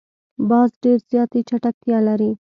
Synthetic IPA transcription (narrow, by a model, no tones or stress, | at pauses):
basɖeɾzjaːt̪it͡ʃʰɐʈak̚t̪ʰialaɾi